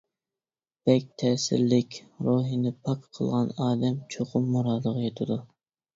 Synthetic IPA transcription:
b̥ɛk̚ʲt̪ʰɛːsɪ̰ɾlɪkʲɾoɦinɪpʰɑkqʰːəlˠʁɑnɑːd̪ɛmt͡ʃʰoqʊmːuɾɑːd̪əʁɑjet̪ʰɨd̪u

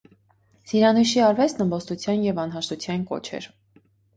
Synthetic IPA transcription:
siɾɑnuʃiɑɾvɛt͡sʰnəmbɔst̪ut͡sʰjɑnjɛvɑnɦɑʃt̪ut͡sʰjɑnkɔ̰t͡ʃʰɛ̰ɾ

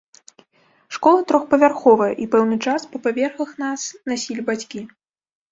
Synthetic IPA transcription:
ʂkɔlˠɐt̪ɾɔxpɐvʲarxɔvɐjɐʔipɛwnɨt͡ʂaspɐpavʲɛrxɐxnasnasʲilʲibat͡sʲkʲi

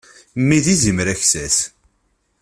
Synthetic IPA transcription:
mːiðizimɾæçsæs

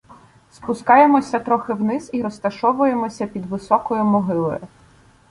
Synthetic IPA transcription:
spʊskɑjemɔsʲɐt̪ɾɔxɪwnɪziɾɔst̪ɐʃɔʋʊje̞mɔsʲɐpʲid̪ʋɪsɔkɔjʊmɔɦɪlˠɔ̰jʊ

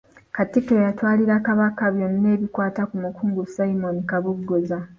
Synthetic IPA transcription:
katikejatwaːliɾakaβakaβjonːe̞ːβikwaːtakumukuːŋɡusaimonikaβuɡːoza

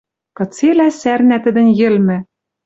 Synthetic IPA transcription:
kɤ̆t͡selæsærnæt̪ɘ̆d̪ɘ̆njɘ̆lmɘ̆

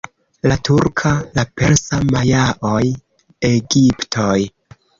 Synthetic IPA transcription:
latuɾkʰalape̞lsamajaʔoj | eɡiptʰoj

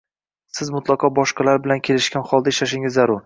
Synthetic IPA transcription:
sɪzmʊt̪lˠɑqʰɒbɒʃqɑlaɾbɪlankʲʰe̞lɪʃkʲanχɒlˠd̪aɪʃlaʃ̬ɪŋɪzːaɾʊɾ

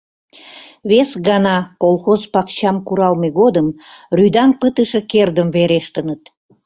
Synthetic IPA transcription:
βesɣɑnɑkolˠxozpɑkt͡ɕɑmkuɾɑlmeɣod̪əmryd̪ɑŋpət̪əʃekerd̪əmβeɾeʃt̪ənət̪

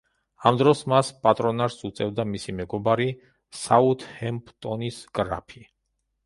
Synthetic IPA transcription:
amd̪ɾɔsmaspʼat̪ʼɾɔnaɾsut̪sʼɛvd̪amisimɛɡɔbaɾi | saut̪ʰhɛmpʰʼt̪ʼɔnisɡɾa̰pʰi

